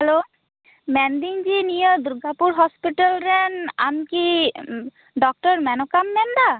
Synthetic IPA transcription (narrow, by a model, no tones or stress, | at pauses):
hɛlo | mɛnd̪iŋd͡ʒinijɔd̪uɾɡʱapuɾɦɔspiʈəlɾɛna̰mki | ɖɔk̚ʈɔɾmɛnɔkamːɛnd̪a